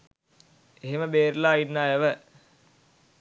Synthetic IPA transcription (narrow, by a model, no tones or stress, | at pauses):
eɦeməbeːɾlaːinːaːeʋə